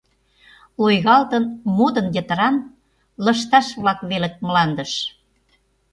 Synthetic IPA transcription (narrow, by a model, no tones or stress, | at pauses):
ojɣɑlt̪ənmud̪ə̆njət̪əɾɑn | lɤ̆ʃt̪ɑʃβlɑkβelə̆k̚məlɑnd̪ə̆ʃ